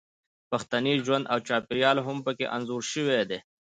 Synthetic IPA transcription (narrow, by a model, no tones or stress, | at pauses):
pɐxt̪aniʒwɐnd̪awt͡ʃɑːpɪɾijɑːlɦʊmpəkḛʔɐnzuːɾʃəwed̪eː